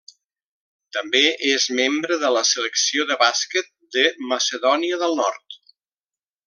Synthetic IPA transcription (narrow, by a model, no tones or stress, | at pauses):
t̪əmbeʔezmembɾəðələsələksioðəβaskət̪̚d̪əməsəðɔniəðəlˠnɔ̰ɾt̪